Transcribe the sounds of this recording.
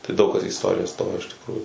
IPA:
tɐɪ ˈdɐʊk kɐs iː ɪsˈtoːrʲɪjæː ˈstoːjoː ɪʃ tʲɪkˈruːjuː

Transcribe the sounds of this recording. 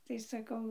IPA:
tɐɪ sɐˈkɐʊ

